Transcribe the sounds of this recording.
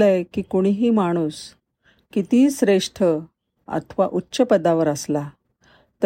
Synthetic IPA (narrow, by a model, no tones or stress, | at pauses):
ləjkiːkoɽ̃iɦiːmaɽ̃uːs | kit̪iːsɾeʂʈʰə | a̰t̪ʰʋa̰ʔutːɕəpəd̪aʋəɾəsla | t̪ə